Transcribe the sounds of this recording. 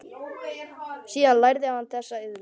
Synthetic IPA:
siːðanlajɾðɪahanːθɛsːaɪðl

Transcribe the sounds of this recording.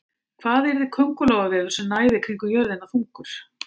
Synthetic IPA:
kʰvaːðɛɾðɪkʰœŋkʏlɔwɣavɛːlʏ̥sɛmnaːjðɪkʰɾiŋkʏjœɾðɪnaθfuŋkʏɾ̥

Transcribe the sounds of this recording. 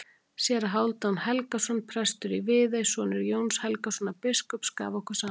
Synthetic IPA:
sjɛːɾaɦawlt̪anhɛlkasɔnpʰɾɛst̪ʏɾivɪːðejsɔːnɪɾjoːwnshɛlkasɔnapɪskʏpska̰ːvɔkʰɛsa

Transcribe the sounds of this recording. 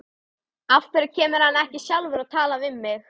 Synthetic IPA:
afk̪vɪɾɪɾ̥cʰɛːmɪɾ̥hanːɛhcɪsjawlvʏɾaðt̪ʰaːlavɪmːɪx

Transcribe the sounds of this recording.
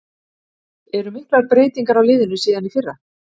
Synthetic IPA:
ɛɾʏmɪhklaɾpɾeːjt̪iŋkaɾawlɪːðɪnʏsiːðanifɪrːa

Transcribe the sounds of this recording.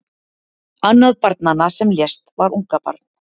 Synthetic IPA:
anːaðpaɾt̪̚nanasɛmljɛst̪vaɾuŋkapa̰ɾt̪n

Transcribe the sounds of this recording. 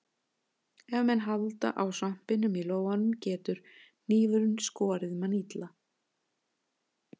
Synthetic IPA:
ɛvmɛnɦalt̪a̰ʔawsam̥pɪnːʏmiloːwanʏmcɛːt̪ʏɾ̥ | n̥iːvʏɾʏnskɔːɾɪðmanit̪la

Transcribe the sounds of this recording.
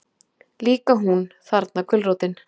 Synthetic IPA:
liːkaɦunθaɾt̪nakʰʏlrowt̪ɪn

